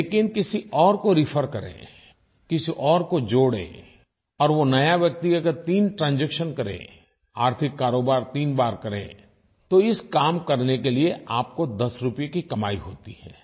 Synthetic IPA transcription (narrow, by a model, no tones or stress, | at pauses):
eːkɪnkɪsiʔɔːɾkoɾɪfʰəɾkɐɾḛ̃ː | kɪsiʔɔːɾkod͡ʒoːɽḛ̃ː | ɔːɾʋonɐjaʋjɐk̚t̪iɐɡəɾt̪iːnʈɾãːnd͡ʒɛkʃənkɐɾḛ̃ː | a̰ːɾt̪ʰɪkːaːɾoːbaːɾt̪iːnbaːɾkɐɾḛ̃ː | t̪oɪskaːmkɐɾnekelieʔaːp̚kod̪ɐsɾʊpjekikɐmaːiɦo̰ːt̪iɦɛ̰ː